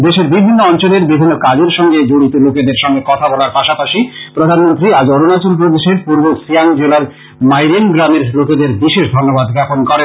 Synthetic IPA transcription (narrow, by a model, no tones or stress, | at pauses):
d̪eʃeɾbibʱinːoɔnt͡ɕoleɾbibʱinːokad͡ʑeɾʃɔŋɡed͡ʑoɽit̪oloked̪eɾʃɔŋɡekɔt̪ʰabɔlaɾpaʃapaʃipɾod̪ʱanmont̪ɾiad͡ʑɔɾonat͡ɕolp̬ɾod̪eʃeɾpuɾbosiaŋd͡ʑelaɾ | majɾenɡɾameɾloked̪eɾbiʃeʃd̪ʱonːobad̪ɡaponkɔɾen